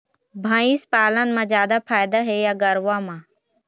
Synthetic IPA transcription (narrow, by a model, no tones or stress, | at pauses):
bʱãːiːspaːlənmãːzjaːd̪aːpʰaːjd̪aːɦeːjaːɡəɾʋãːmãː